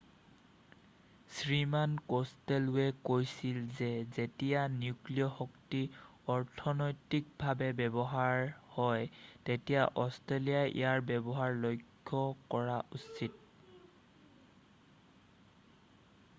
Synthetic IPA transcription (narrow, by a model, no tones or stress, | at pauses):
sɹimankostelwɛkojsilzɛzetijanjukliɔhɔktiɔɹtʰɔnojtik̚bʱabɛbɛbɔɦaɹhɔjtetijaʔɔstɹelijaʔḭjaɹbɛbɔɦaɹlojkʰːɔkɔɹaʔusit̚